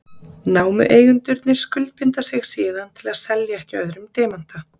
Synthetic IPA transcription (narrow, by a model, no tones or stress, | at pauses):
naːwmʏ̰ʔeːjɣʏnt̪ʏɾt̪nɪɾ̥skʏlt̪̚pʰɪnt̪asɪɣsiːðant̪ʰɪlaðsɛljaɛhcɪœðɾʏmt̪eːman̥t̪a